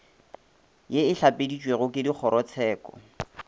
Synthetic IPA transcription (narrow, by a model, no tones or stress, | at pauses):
jeɪɬapedit͡ʃʼweɣʊkɪdik͡xʰɔɾɔt͡sʰɛːkɔ̰